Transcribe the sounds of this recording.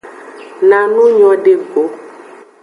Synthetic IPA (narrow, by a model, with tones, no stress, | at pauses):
nã˨nũ˦ɲɔ̃˨ɖe˨ɡo˨˦